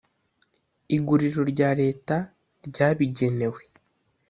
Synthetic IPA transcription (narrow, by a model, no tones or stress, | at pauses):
iɡuɾiɾo̞ɾɟaːɾe̞ːta | ɾɟaːβiɟe̞ne̞we̞